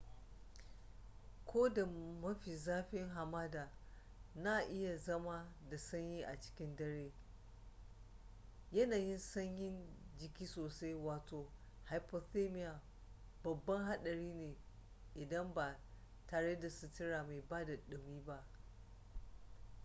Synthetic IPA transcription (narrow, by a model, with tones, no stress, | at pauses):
kʰʷoː˦da˨mɐ˦ɸi˨zaː˦ɸɪ˦ŋɦa˨maː˦daː˨ | na˦˨ʔɪ˦ja˨zɐ˦ma˦da˨sɐ˦ɲjiː˦ʔa̰˨t͡ʃɪ̥˦kʲɪ˦ndɐ˦ɽeː˦ | jɐ˦naː˨jɪ˦nsɐ˦ɲjɪ˦nd͡ʒɪ˨kʲiː˦soː˨sa˦jwaː˨tʰoː˨ | ha˨jpo˨θe˦mɪ˦ja˨ | bɐ˨bːɐ˦ŋɦa˦ɗɐ˨ɽiː˦neː˨ | ʔɪ˨dɐ˦mba˨ | taː˨ɽe˦da˨sʊ˦tɪ˦ɽa˨ma˨jbaː˦da˨ɗɪ˨miː˦ba˦ʔ